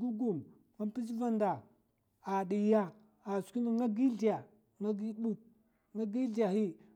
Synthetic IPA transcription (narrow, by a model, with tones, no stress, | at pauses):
ɡu˦ɡu˨m | ŋa˦pi˦si˦va˦nda˨ | a˨ɗi˨ja˦ | a˨ski˦ni˦ŋa˦ɡi˦ɮi˨ja˨ | ŋa˦ɡi˦ɗu˦k̚ | ŋa˦ɡi˦ɮi˨ja˨hi˦